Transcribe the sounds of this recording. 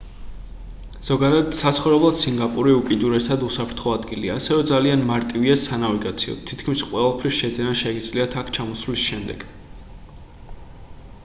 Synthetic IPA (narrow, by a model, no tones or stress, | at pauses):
z̥ɔɡad̪ad̪sat̪sʰχɔvɾɛblˠad̪̥siŋɡapʼuɾiukʼid̪uɾɛsad̪usapʰɾt̪ʰχɔad̪ɡiliaːsɛvɛd̪zalianmaɾt̪ʼiviasanaviɡat̪sʰiɔ̰t̪ʰit̪ʰkʰmisqʼwɛɛlˠpʰɾisʃɛd̪zɛnaʃɛɡid̪zliat̪ʰakʰt͡ʃʰamɔsvlisʃɛmd̪ɛɡ̥